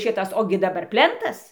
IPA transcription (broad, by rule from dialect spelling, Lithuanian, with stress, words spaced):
ˈʃʲɪtɐs ˈoːɡʲɪ dɐˈbɐr ˈpʲlʲɛntɐs